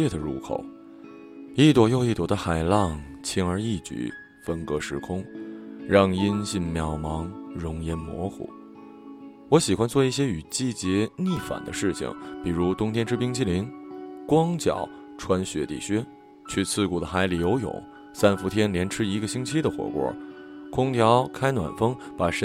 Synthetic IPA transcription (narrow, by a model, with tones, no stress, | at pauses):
ɛ˥˩d̪ə˩ɻṵ˧˥kʰo̰˨˩˦ʊ | i˥˩t̪wɔ˨˩jo˥˧ʊi˥˩t̪wɔ˨˩d̪ə˦xa˨˩ɪlɑ˥˧˩ŋ | t͡ɕʰi˥nə˞˧˥i˥˩t͡ɕy̰˨˧˩ | fə˥nkɤ˧˥ʂɻ̩˧˥kʰʊ˥ŋɻɑ˥˩ŋi˥nɕi˥˩nmjɑ˨˩ʊmɑ˧˥ŋɻʊ˧˥ŋjɛ˧˥nmwɔ̰˧˥xṵ˨˩˦ | wɔ˧˥ɕi˨˩xwa˥nt͡swɔ˥˧i˥˩ɕ̬jɛ˥y˨˩t͡ɕi˥˩t͡ɕjɛ˧˥ni˥˩fa̰˨˩nd̪ə̰˦ʂɻ̩˥˩t͡ɕʰḭ˧˩ŋpi˨˩ɻu˧˥t̪ʊ˥ŋt̪ʰjɛ˥nʈ͡ʂʰɻ̩˥pi˥ŋt͡ɕʰi˥˩li˧˥nkwɑ˥ŋt͡ɕjɑ̰˨˩ʊ | ʈ͡ʂʰwa˥nɕɥɛ˧˥t̪ḭ˥˩ɕɛ˥ | t͡ɕʰy˥˧t͡sʰɹ̩˥˩ku˨˩d̪ə˦xa˧˥ɪli˨˩jo˧˥ʊjʊ̰˨˩˦ŋ | sa˥nfu˧˥t̪ʰjɛ˥nljɛ˧˥nʈ͡ʂʰɻ̩˥i˧˥ɡə˧ɕi˥ŋt͡ɕʰi˥d̪ə˨xwɔ̰˨˩kwɔ̰˧˩˥ | kʰʊ˥ŋt̪ʰjɑ˧˥ʊkʰa˥ɪnwa̰˨˩nfɤ˥ŋpa˨˩ʂ